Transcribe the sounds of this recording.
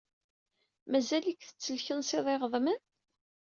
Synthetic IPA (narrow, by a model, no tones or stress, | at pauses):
mæzælikːθə̥t͡sːəlçənsɪðˤeʁðˤmən